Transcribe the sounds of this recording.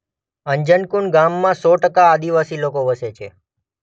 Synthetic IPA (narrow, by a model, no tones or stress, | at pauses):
əɲd͡ʒənkuɳɡamːãsɔʈəkaːd̪iʋasilokoʋəset͡ʃʰe